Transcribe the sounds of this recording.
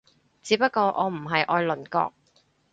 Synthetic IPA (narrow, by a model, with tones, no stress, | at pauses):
t͡siː˨˥pɐ˥t̚kːɔː˧ʔɔː˨˧m̩˨˩ɦɐ˨jʔɔː˧jlɵ˨˩nkɔ̰ː˧k̚